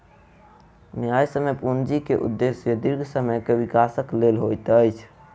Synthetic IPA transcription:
najsəməpund͡ʒikeʔṵd̪ːesjəd̪iɾɡʱsəməjkeʋikasəklelɦojt̪əjt͡ʃʰ

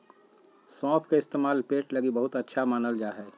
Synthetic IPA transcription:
sɔ̃ːpʰkeɪst̪eːmaːlpeːʈlɐɡibɐɦʊt̪ɐtːʃʰamaːnəld͡ʒaːɦɛː

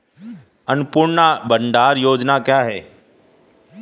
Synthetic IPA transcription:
ənpʊɳnabənɖ̪aːɾjoːd͡ʒnakjaːɦɛː

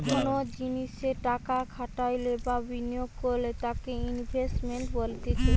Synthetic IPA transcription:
kʰonod͡ʑiniʃeʈakakʰaʈajlebabinijoɡkoɾlet̪akeinbʱesʈmeɳʈbolt̪it͡ʃʰe

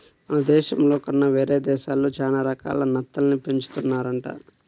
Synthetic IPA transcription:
ɐnɐd̪ɛːʃɐmlo̞ːkɐnːɐʋeːɾeːd̪ɛːʃaːloːd͡ʒaːnaːɾɐka̰ːlɐnɐt̪ːɐlɐnipeɲt͡ʃu̥t̪unːaːɾɐɳʈa̰ː

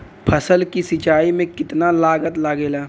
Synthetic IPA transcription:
pʰəsəlkisɪt͡ʃaːimẽkɪt̪nalaːɡət̪laɡeːlaː

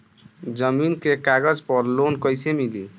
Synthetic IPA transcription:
d͡ʒəminkekaɡəd͡ʒpʌɾlonkʌjsemili

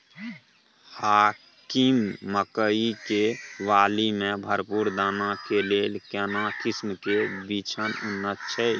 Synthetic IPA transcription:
haː | kimːəkəikeʋaːlimẽbʱəɾpuɾd̪aːnakeleːlkɛnakismkebit͡ʃʰənʊnːət̪t͡ʃʰɛj

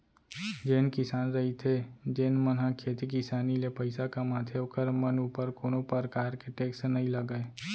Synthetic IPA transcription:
d͡ʒeːnkɪsaːnɾəɦit̪ʰed͡ʒeːnmənɦakʰeːt̪ik̬ɪsaːnilepəɪsakamaːt̪ʰjeokəɾmənuːpəɾkoːnõpəɾkaːɾkeʈeːksnəɦĩləɡəe

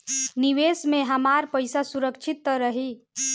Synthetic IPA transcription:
niʋesmeɦəmaɾpəjsasuɾəkt͡ʃʰit̪ːɾəɦi

